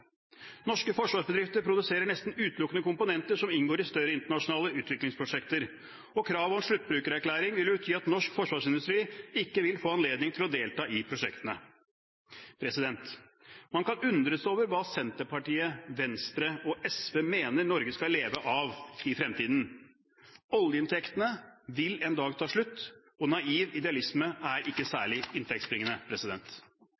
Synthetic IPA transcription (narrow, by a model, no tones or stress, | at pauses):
nɔʂkəfɔʂʋɑːʂbəd̪ɾɪft̪əɾpʰɾʊd̪ʉseːɾəɳɛst̪n̩ʉːt̪lʊkənəkʊmpʊnɛnt̪əʂɔmɪnɡoːɾɪst̪œɾəɪnt̪əɳɑʂʊnɑːləʉːt̪ʋɪklɪŋspʰɾʊʂɛkt̪əɾ | ɔkʰɾɑːʋɔnʂɭʉt̪̚ːbɾʉːkəɾæɾklæːɾɪŋʋɪljʉbt̪ʰjyːɑt̪nɔʂkfɔʂʋɑːʂɪnd̪ʉst̪ɾiːɪkːəʋɪlfoːɑnleːd̪nɪŋt̪ʰɪlɔd̪eːlt̪ɑːʔɪpʰɾʊʂɛkt̪ənə | pʰɾɛsɪd̪ɛnt̪ | mɑnkɑnʉnd̪ɾəsoːʋəɾʋɑːsɛnt̪əɾpɑʈiːəʋɛnst̪ɾəɔʔɛsʋeːmeːnəɾnɔɾɡəskɑleːʋəʔɑʋɪfɾɛmt̪iːd̪n̩ | ɔljəɪnt̪ʰɛkt̪ənəʋɪlɛnd̪ɑːɡt̪ʰɑːʂɭʉt̪ː | ɔnɑiːʋɪd̪ɛɑlɪsməæɾʔɪkːəsæːɭɪɪnt̪ʰɛk̚t̪sbɾɪŋənəpʰɾɛsɪd̪ɛnt̪